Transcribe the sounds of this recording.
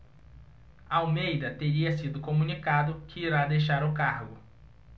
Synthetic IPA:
ɐawmejd̪ɐt̪eɾiɐsid̪ʊkomũnikad̪ʊkɪiɾad̪ejʃaɾʊkaɾɡʊ

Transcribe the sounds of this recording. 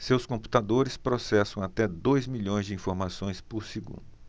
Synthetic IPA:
sewskõmpu̥t̪ad̪oɾɪspɾosɛsɐ̃w̃at̪ɛd̪ojzmiʎõj̃zd͡ʒɪĩfoɾmasõj̃spʊɾsiɡṵ̃d̪ʊ

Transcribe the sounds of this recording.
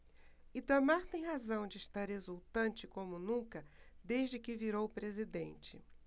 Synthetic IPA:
id̪ɐmaɾt̪ẽj̃ɦazɐ̃w̃d͡ʒɪːʃt̪aɾhezuwt̪ɐ̃nt͡ʃɪkõmʊnũkɐd̪ejʒd͡ʒɪkɪviɾowpɾezid̪ḛ̃nt͡ʃɪ̰

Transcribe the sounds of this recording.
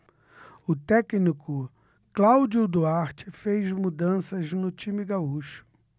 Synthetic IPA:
ʊt̪ɛknikʊ | klawd͡ʒʊd̪uaɾt͡ʃɪfejzmud̪ɐ̃sɐznʊt͡ʃĩmiɡauʃʊ̥

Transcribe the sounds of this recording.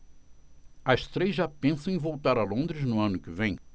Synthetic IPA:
ɐst̪ɾejzʒapẽsɐ̃w̃ẽvowt̪aɾɐlõnd̪ɾɪznʊɐ̃nʊkɪvẽj̃

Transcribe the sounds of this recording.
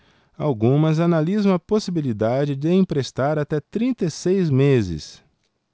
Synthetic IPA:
awɡũmɐzanalizɐ̃w̃ɐposibilid̪ad͡ʒɪd͡ʒɪẽpɾest̪aɾat̪ɛt̪ɾĩnt̪esejzmezɪ̰s

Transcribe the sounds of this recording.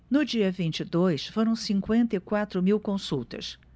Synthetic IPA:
nʊd͡ʒiɐvĩnt͡ʃid̪ojsfoɾɐ̃w̃sĩŋkwẽnt̪ɐikwat̪ɾʊmiwkõsuwt̪ɐ̰s

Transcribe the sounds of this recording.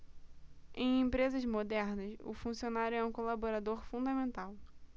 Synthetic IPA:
ẽj̃ẽmpɾezɐzmod̪ɛɾnɐsʊ̰fũsionaɾjʊɛũkolaboɾad̪oɾfũnd̪ɐmẽnt̪aw

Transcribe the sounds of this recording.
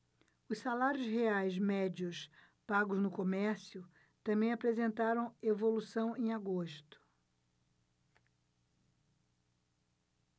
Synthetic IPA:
ʊssalaɾjʊzheajzmɛd͡ʒiʊs | paɡʊznʊkomɛɾsjʊ | t̪ɐ̃mbẽj̃apɾezẽnt̪aɾɐ̃w̃evolusɐ̃w̃ẽj̃aɡoʃt̪ʊ̥

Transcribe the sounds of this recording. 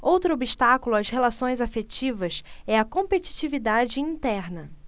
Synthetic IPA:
owt̪ɾʊobiʃt̪akulʊashelasõj̃zafet͡ʃivɐsɛɐkõpet͡ʃi̥t͡ʃivid̪ad͡ʒɪĩt̪ɛɾnɐ

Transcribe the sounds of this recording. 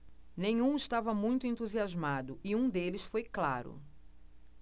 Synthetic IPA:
nẽɲũɪst̪avɐmũj̃t̪ʊẽnt̪uziazmad̪ʊɪũd̪elɪsfojklaɾʊ̰

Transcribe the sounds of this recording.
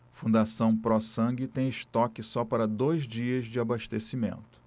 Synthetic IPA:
fũnd̪asɐ̃w̃pɾɔsɐ̃ɡɪt̪ẽj̃ɪʃt̪ɔkɪsɔpaɾɐd̪ojzd͡ʒiɐzd͡ʒɪabaʃt̪esimḛ̃nt̪ʊ̥

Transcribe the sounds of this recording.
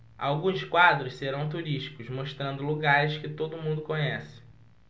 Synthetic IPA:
a̰wɡũskwad̪ɾʊsseɾɐ̃w̃t̪̬uɾiʃt͡ʃi̥kʊzmoʃt̪ɾɐ̃nd̪ʊluɡaɾɪʃkɪt̪od̪ʊmũnd̪ʊkõɲɛsɪ̥

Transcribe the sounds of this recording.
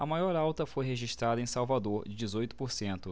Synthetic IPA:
ɐmajɔɾawt̪ɐfojɦeʒiʃt̪ɾad̪ɐẽsawvad̪oɾd͡ʒɪd͡ʒɪzojt̪ʊ̥poɾsẽnt̪ʊ

